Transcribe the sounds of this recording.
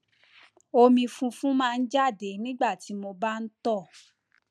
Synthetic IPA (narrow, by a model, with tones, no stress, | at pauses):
o˧mĩ˧fũ˧fũ˦mãː˦˧n̩˦d͡ʒa˦˨de˨˦nĩ˦ɡ͡ba˦˨ti˨˦mo˧ba˦n̩˦tɔ˦˨